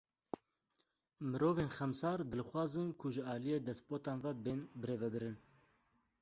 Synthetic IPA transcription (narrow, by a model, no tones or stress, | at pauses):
mɨɾoːveːnxɛmsɑːɾd̪ɨlxwɑːzɨnkʰʊʒɨɑːlijeːd̪ɛspoːt̪ɑːnvɛbeːnbɨɾeːvɛbɨɾɨn